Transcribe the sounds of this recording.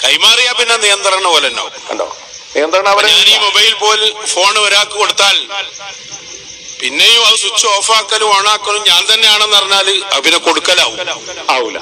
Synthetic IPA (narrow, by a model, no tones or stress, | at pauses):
kɐjmaːrijapinːenijɐnd̪rɐɳɐolɐnːa̰uḛɳɖɐ̰ | nijɐnd̪rɐɳɐɐʋɐɾːniːmobɐjilpo̞ːlfo̞ːɳɨʋɐɾaːkːɨkoɽut̪ːaːl | pinːejuɐðɨsut͡ɕːɨoːfaːkːɐlumaːɳaːkːɐɭumɲaːnt̪ɐnːe̞jaːɳenːɐrɐɲːaːlɨɐ̰pineko̞ɽukːɐla̰ːʋumaːṵ